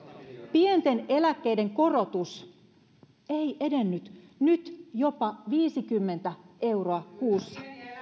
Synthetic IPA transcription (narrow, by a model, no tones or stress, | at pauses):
pie̞nt̪e̞ne̞lækːe̞jde̞ŋko̞ro̞t̪us | e̞jʔe̞de̞nːyt̪nyt̪jo̞pɑʋiːsikymːe̞nt̪æʔe̞wro̞ɑkuːsːɑ